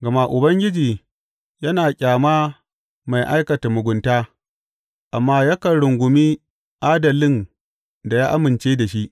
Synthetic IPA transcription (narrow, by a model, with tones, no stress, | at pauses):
ɡɐ˨ma˦ʔʊ˨bɐ˦ŋɡʲɪ˦d͡ʒiː˨ | jɐ˦naː˨kʲʼaː˨maː˦ | ma˨jʔa˦jkɐ˨ta˨mʊ˨ɡʷʊ˨˦ntaː˦ | ʔa˨mːaː˦ja˦kɐ˨ɽʊ˨ŋɡʷʊ˨miː˦ | ʔaː˦dɐ˨lɪ˦n | da˨jaː˦ʔa˦mɪ˨nt͡ʃeː˦da˨ʃi˦ʔ